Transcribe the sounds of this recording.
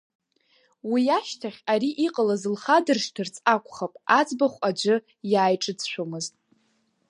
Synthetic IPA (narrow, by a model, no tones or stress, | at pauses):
wijaʃtʰaχʲaɾiʔiqʼalazɨlχadɨrʂdɨrt͡sʼakʷʼχapʼad͡zʼbaχʷad͡ʒʷɨ | jaːjʈ͡ʂʼɨd͡zʃʷomɨztʼ